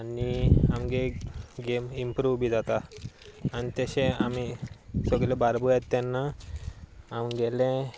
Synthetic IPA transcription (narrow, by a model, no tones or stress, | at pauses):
aniamɡeɡemimpɾuʋbid͡zat̪a | anit̪əɕẽamisəɡlebaɾbujat̪ːanːa | amɡɛlɛ̃